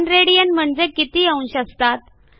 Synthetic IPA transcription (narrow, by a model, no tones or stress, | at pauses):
nɾeɽijənm̤əɳd͡zekit̪iːaũnɕəst̪at̪̚